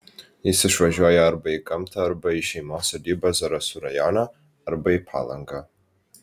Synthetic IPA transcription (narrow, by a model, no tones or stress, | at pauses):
isɨʂaʒajarbaikʼamtʰaːrbaiʃemasadibazaɾasuɾajanaː | rbaipʰa̰la̰ŋɡa